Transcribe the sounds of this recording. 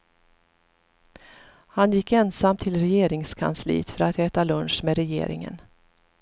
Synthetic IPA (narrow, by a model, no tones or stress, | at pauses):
hanjɪkːɛnsamt̪ʰɪlɾɛjeːɾɪŋskʰa̰nslḭːt̪fœɾat̪ʰɛːt̪alɵnʂmeːɾɛjḛːɾɪ̰ŋə̰n